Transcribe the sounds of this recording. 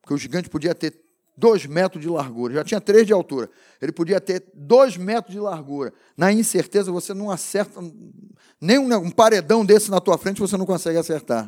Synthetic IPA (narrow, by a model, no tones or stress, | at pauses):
po̥ɾkeʊʒiɡɐ̃nt͡ʃɪ̥pod͡ʒiɐt̪eɾ | d̪ojzmɛt̪ɾʊd͡ʒɪlaɾɡuɾɐʒat͡ʃĩɲɐt̪ɾezd͡ʒɪawt̪uɾɐ | elɪpod͡ʒiɐt̪eɾd̪ojzmɛt̪ɾʊzd͡ʒɪlaɾɡuɾɐ | nɐĩseɾt̪ezɐvosenɐ̃w̃asɛɾt̪ɐ | nẽj̃ũũpaɾed̪ɐ̃w̃d̪esɪnɐt̪uɐfɾẽnt͡ʃɪvosenɐ̃w̃kõsɛɡɪaseɾt̪aɾ